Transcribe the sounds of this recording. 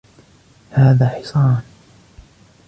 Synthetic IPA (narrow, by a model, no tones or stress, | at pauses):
haːðaːħɪ̥sˤɑːn